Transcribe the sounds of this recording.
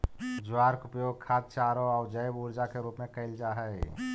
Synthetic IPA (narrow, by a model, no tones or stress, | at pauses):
d͡ʒʊwaːɾkʊpjoːɡ̚kʰaːt̪̚t͡ʃaːɾoɔːɾd͡ʒəjbuːɾd͡ʒakeɾuːpmẽkəɪld͡ʒaɦəj